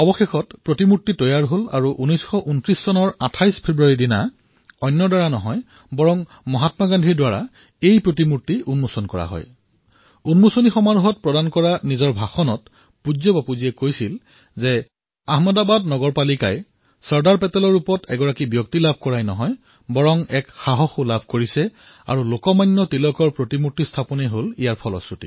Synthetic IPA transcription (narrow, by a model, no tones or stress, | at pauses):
ɔbɔxexɔtpɹotimutːitɔjaɹɦola̰ɹuʔunɔjsxɔʔuntɹisːɔnɔɹatʰajspʰebɹuaɹidina | ɔjnːɔdaɹanɔɦɔj | bɔɹɔŋ | mɔɦatmaɡandʱiɹdwaɹa̰ | ejpɹot̬imutːiunmusɔnkɔɹa̰ɦɔ̰j | unmusonixɔmaɹuɦɔt̚pɹɔdankɔɹanizɔɹbʱaxɔnɔt | puzɔbapuziɛkojsil | zɛ | aɦmadabadnɔɡɔɹpalikaj | sɔɹdaɹpɛtɛlɔɹupɔtɛɡɔɹakibjɔk̚tilabʱkɔɹajnɔɦɔj | bɔɹɔŋɛkxaɦɔxulabʱkoɹisɛ | a̰ɹulokɔmajnːɔtilɔkɔɹpɹotimutːistʰapɔnɛɦolijaɹpʰɔlɔ̰sɹutḭ